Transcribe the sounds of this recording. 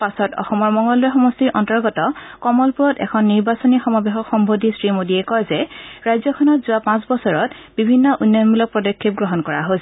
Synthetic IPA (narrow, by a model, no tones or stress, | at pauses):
pasɔtɔ̰xɔmɔɹmɔŋɡɔluxɔmɔstiɹʔɔntɔɹɡɔtɔkɔmɔlpuɹɔtɛ̰kʰɔnːiɹbasɔnixɔmɔbeɦɔkxɔmbʱodisɹimodiɛkɔjzɛɹajzɔkʰɔnɔtzʊapãsbɔsɔɹɔtbibʱinːɔʔunːjɔnmulɔk̚pɹɔdɔkʰːip̚ɡɹɔɦɔnkɔɹaɦosɛ